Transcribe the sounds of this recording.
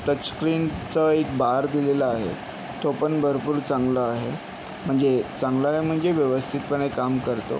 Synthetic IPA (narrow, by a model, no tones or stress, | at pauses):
t̪ətskɾint͡səek̚baɾd̪ileləaɦḛ | t̪opəɳbʱəɾpuːɾt͡sãŋɡləaɦe | m̤əɳd͡zet͡sãŋɡləaɦem̤əɳd͡zeʋjəʋəst̪ʰit̪̚pəɳekamkəɾt̪o̰